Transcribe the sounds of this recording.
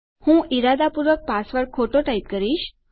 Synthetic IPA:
hũːʔiɾad̪ʱapuɾʋək̚pasʋəɾkʰoʈoʈaip̚kəɾiːɕ

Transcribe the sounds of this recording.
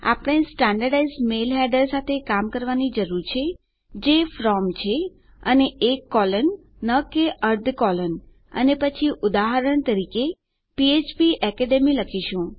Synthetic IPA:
a̰pɽ̃esʈãɳɖəɾɖaizmelɦɛɾɖəɾsat̪ʰekamkəɾʋanid͡ʒəɾuɾt͡ʃʰe | d͡ʒefɾɔmt͡ʃʰe | əneʔːkːɔlənː | əkeʔəɾd̪ʱkɔlən | ə̰nepət͡ʃʰiʔʊd̪aɦəɾəɳ̃t̪əɾike | piet͡ʃpiʔɛkeɖemiləkʰiʃũ

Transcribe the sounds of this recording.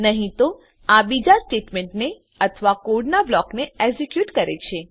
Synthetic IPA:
nəɦĩt̪o | abid͡ʒasʈeʈmeɳʈne | ət̪ʰəʋakoɾɖnablɔkneeɡzekjuʈkəɾet͡ʃʰe

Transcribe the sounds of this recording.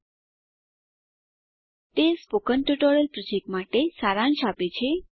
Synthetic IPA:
t̪espokənʈuʈoɾəlpɾɔd͡ʒek̚ʈmaʈesaɾaɳʃapet͡ʃʰe

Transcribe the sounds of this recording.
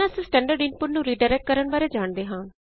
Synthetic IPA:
ãːsesʈɛ̃ːɳɖəɾɖɪnpʊʈnũːɾiːɖaːɾɛːk̚ʈ̚kəɾəɳbaːɾeːd͡ʒaːɳd̪eːɦãː

